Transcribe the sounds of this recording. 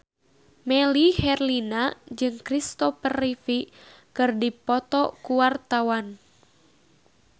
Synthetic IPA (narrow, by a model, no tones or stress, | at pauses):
mɛlihɛrlinad͡ʒɨŋkɾist̪ɔpərifi | kɨrdipɔt̪ɔkuwart̪awan